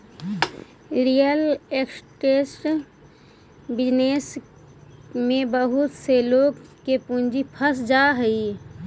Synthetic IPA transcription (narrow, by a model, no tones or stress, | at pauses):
ɾijəleksʈeːsʈ | bɪd͡ʒneːs | mẽbəɦʊt̪seloːɡkepũnd͡ʒipʰəsd͡ʒaːɦəi